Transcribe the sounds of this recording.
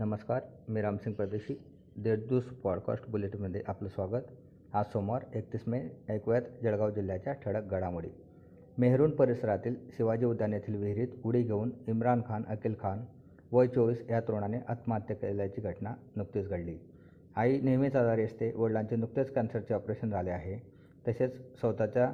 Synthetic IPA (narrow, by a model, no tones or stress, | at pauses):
nəməskaɾmiɾamsiŋɡ̚pɾəd̪eɕiː | d̪eɽd̪uːspɔɽkɔ̰sʈbuleʈiməd̪ʱjeʔapləsʋaɡət̪ | ɦasomaɾek̚t̪ismeəjkʋjat̪d͡ʑəɭɡawd͡ʑil̤jat͡ɕjaʈʰəɽək̚ɡəɽamuɽḭː | meɦɾuːnpəɾisəɾat̪iːlsiʋad͡ʑiud̪ʱːjanjat̪ʰiːlʋiɦɾiːt̪uɽiɡʱeuːnimɾankʰanəkilkʰan | ʋəjt͡ɕoʋiːsjat̪ɾoɳ̃aneʔət̪mat̪jəkljat͡ɕiːɡʱəʈnanuk̚t̪iːt͡sɡʱəɽliː | ainiɦmit͡sad̪aɾiəst̪eʋəɽɭaɲt͡ɕenuk̚t̪ət͡skænsəɾt͡ɕeɔpɾeɕənd͡zʱaleaɦe | t̪əɕet͡ssəwt̪at͡ɕja